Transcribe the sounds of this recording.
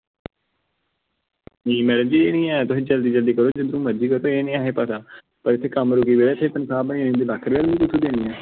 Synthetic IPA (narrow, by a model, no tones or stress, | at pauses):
nĩːmɛːɽə̃nd͡ʒiːeːnĩːɛ̃ːt̪ʊsĩːd͡ʒəld̪iːd͡ʒəld̪iːkəɾoːd͡ʒɪd̪ɾũːməd͡ʒiːkəɾt̪oːeːnĩːaːɦeːpət̪aː | pəɾɪt̪ʰːeːkəmɾʊkiːʋeːɾaːɪt̪ʰːeːt̪ənsaːbəniːnĩd̪eːlaːkʰəɾʋeːlniːt̪ʊsʰũːd̪eːnĩːɛː